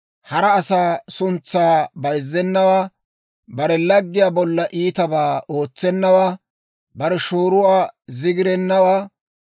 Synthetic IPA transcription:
hɐɾɐːsaːsʊnt͡sːaːbɐjzːɛnːɐwaː | bɐɾɛlɐɡːɪjaːbɔlːɐʔiːt̪ɐbaːo̞ːt͡sːɛnːɐwaː | bɐɾɛʃoːɾʊwaːzɪɡɪɾɛnːɐwaː

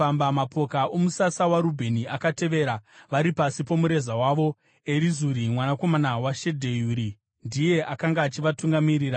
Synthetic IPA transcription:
ambamapo̞kaʔo̞musasawaɾubʱe̞niakate̞ʋe̞ɾaʋaɾipasipo̞muɾe̞zawaʋo̞ | e̞ɾizuɾimwanako̞manawaʃe̞dʱe̞juɾi | ndije̞ʔakaŋɡaːt͡ʃiʋatuŋɡamiriːɾa

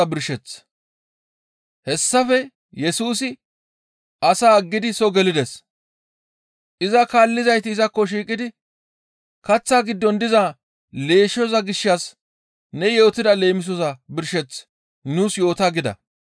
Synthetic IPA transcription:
ɐbɪɾʃɛt͡s | hɛsːɐfɛ | jɛsuːsɪ | ʔɐsaːɐɡːɪd̪ɪsɔɡɛlɪd̪ɛs | ʔɪzɐkaːlːɪzɐjt̪ɪːzɐkːɔʃ̬iːkʼɪd̪ɪ | kɐt͡sːaːɡɪd̪ːɔnd̪ɪza | le̞ːʃɔzɐɡɪʃːɐs | nɛjo̞ːt̪ɪd̪ɐle̞ːmɪs̬ɔzɐbɪɾʃɛt͡s | nuːsjo̞ːt̪aːɡɪd̪ɐ̰

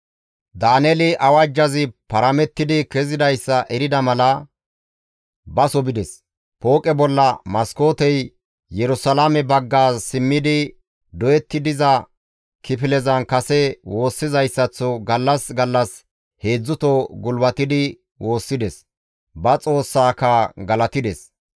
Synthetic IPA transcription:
d̪aːnɛlɪʔɐwɐd͡ʒːɐzɪpɐɾɐmɛt̪ːɪd̪ɪkɛzɪd̪ɐjsːɐʔɛɾɪd̪ɐmɐlɐ | bɐsɔbɪd̪ɛs | po̞ːkʼɛbɔlːɐmɐskoːt̪ɛj | jɛɾʊsɐlamɛbɐɡːaːsɪmːɪd̪ɪ | d̪ɔjɛt̪ːɪd̪ɪzɐ | kʰɪpɪlɛzɐnkɐsɛwo̞ːsːɪzɐjsːɐt͡sːɔɡɐlːɐsɡɐlːɐs | he̞ːd͡zːʊt̪ɔɡʊlwɐt̪ɪd̪ɪ | wo̞ːsːɪd̪ɛs | bɐt͡sʼo̞ːsːaːkɐɡɐlɐt̪ɪd̪ɛs

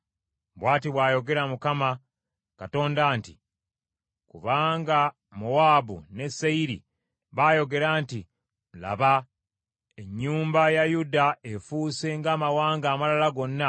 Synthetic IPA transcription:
bwaːtiβwaːjo̞ɡe̞ɾamukama | kato̞ːndaːntḭ | kuβaːŋɡa | muwaːbṵne̞sːeiɾḭ | βaːjo̞ɡe̞ɾaːnti | la̰βa | e̞ɲːuːmbajajudaefuːse̞ŋɡaːmawaːŋɡaːmalalaɡo̞nːa

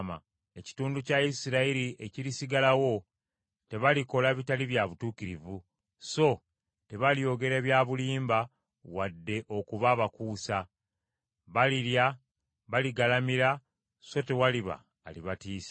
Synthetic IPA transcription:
ma̰ | e̞ci̥tuːnducaisiɾaiɾie̞cilisiɡalawo̞ | te̞βaliko̞laβitaliβjaβutuːkiɾivu | so̞ | te̞βaljo̞ːɡe̞ɾe̞ːβjaːβuliːmba | wadːe̞ʔo̞kuβaːβakuːsa | βaliɾja | βaliɡalamiɾa | so̞te̞waliβa̰ːliβatiːsḁ

